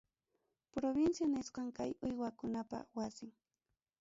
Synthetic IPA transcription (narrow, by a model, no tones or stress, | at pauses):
pɾobɪnsjanɪsqɑŋkajʊjwakʊnapa̰wasɪŋ